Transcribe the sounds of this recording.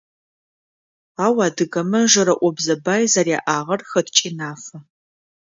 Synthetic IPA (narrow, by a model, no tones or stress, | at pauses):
aːwaːdɨɣɐmɐʒɐɾɐʔʷɔbzɐbaːjzaːɾja̰ːʔaːʁɐrxɐtʰt͡ʃʼiːnaːfɐ